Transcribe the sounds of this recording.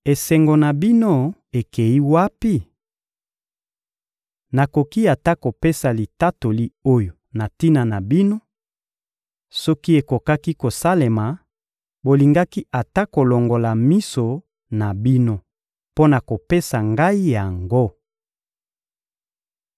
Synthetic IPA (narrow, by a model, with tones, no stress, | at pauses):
e˨sɛ˨ŋɡo˨na˨bi˦no˦e˨ke˨ji˦wa˦pi˦ | na˨ko˨ki˦a˨ta˦ko˨pe˦sa˨li˨ta˦to˨li˦o˦jo˨na˨ti˦na˨na˨bi˦no˦ | sɔ˦ki˦e˨ko˨ka˦ki˦ko˨sa˦le˨ma˨ | bo˨li˨ŋɡa˦ki˦a˨ta˦ko˨lo˨ŋɡo˨la˨mi˦so˨ | na˨bi˦no˦ | po˦na˨ko˨pe˦sa˨ŋɡa˦i˦ja˨ŋɡo˦